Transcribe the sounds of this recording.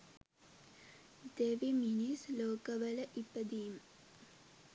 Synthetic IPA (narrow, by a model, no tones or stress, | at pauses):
d̪eʋiminisloːkɐʋɐlɐʔipːɐd̪ijum